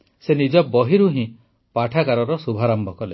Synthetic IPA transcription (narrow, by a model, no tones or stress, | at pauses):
senid͡ʒɔbɔɦiɾuɦĩ | paʈʰakaɾɔɾɔsubʱaɾɔmbʱɔkɔle